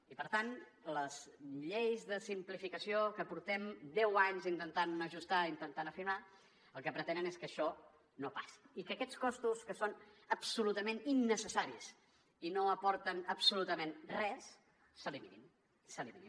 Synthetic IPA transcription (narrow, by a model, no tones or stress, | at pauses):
ipəɾt̪anləz̥ʎejzðəsimplifikəsiokəpuɾt̪ɛmd̪ɛwaɲzint̪ənt̪anəʒust̪aint̪ənt̪anəfiɾma | əlˠkəpɾət̪ɛnəneskəʃɔ | nopḁsi̥ikəkɛt͡skɔst̪uskəsonəpsulut̪əmẽninːəsəsaɾiəs | inoəpɔɾt̪ənəpsulut̪əmenrɛsː | əlimiḭn | səliβii